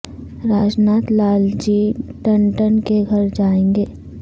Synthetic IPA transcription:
ɾaːd͡ʒnaːt̪laːld͡ʒiːʈə̃ɳʈənkeɡʱɐɾd͡ʒaːẽːŋɡeː

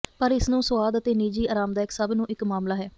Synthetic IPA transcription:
pəɾɪsnũːsʊaːd̪ət̪eːniːd͡ʒiːʔaːɾaːmd̪aːɪksəbnũːʔɪkmaːmlaːɦɛː

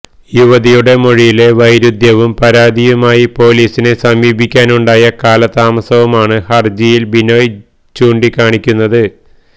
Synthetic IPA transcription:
juʋɐðijuɽe̞moɻijile̞ʋɐjɾud̪ʱjɐʋumpɐɾaːd̪ijumaːjipo̞ːliːsine̞sɐmiːbʱikʲːaːnuɳɖaːjɐkaːlɐt̪aːmɐsɐʋumaːɳɨhɐrd͡ʑijilbinoːj | t͡ɕuːɳɖikaːɳikʲːunːɐðɨ

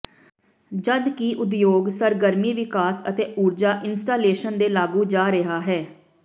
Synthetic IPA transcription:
d͡ʒəd̪kiːʔʊd̪joːɡsəɾɡəɾmiːʋɪkaːsə̰t̪eːʔuːɾd͡ʒaːʔɪnsʈaːleːʃənd̪eːlaːɡuːd͡ʒaːɾɪɦaːɦɛː

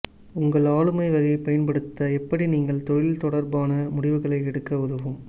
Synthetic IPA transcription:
ʊŋɡɐɭaːɭɯmɐɪʋɐɣɐɪpɐjɐnpɐɽɯt̪ːɐɛpːɐɽiniːŋɡɐɭt̪ɔɻɪlt̪ɔɽɐɾbaːnɐmʊɽɪʋɯɣɐɭɐɪɛɽɯkːɐʊðɐʋɯm

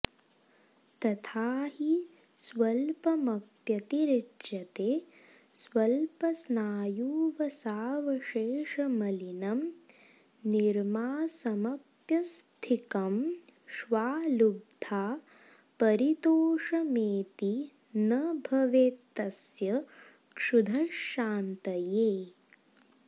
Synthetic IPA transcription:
t̪ɐt̪ʰaːɦi | sʋɐlpɐmɐpjɐt̪iɾidʃɐt̪eː | sʋɐlpɐsnaːjuːʋɐsaːʋɐʃeːʂɐmɐlinɐm | niɾmaːsɐmɐp | jɐst̪ʰikɐmʃʋaːlub̚d̪ʱaː | pɐɾit̪oːʂɐmeːt̪i | nɐbʱɐʋeːt̪ːɐsjɐ | kʂud̪ʱɐʃːaːnt̪ɐjeː

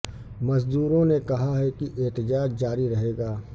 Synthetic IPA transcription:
mɐzd̪uːɾõnekɐɦaɦɛkiʔeːt̪əd͡ʒaːd͡ʒd͡ʒaːɾiɾɐɦeːɡaː

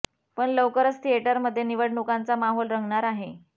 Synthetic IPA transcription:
pəɳləʋkəɾəst̪ʰieʈəɾməd̪ʱːjeniʋəɽɳukant͡samaɦolɾəŋɡɳaɾaɦe

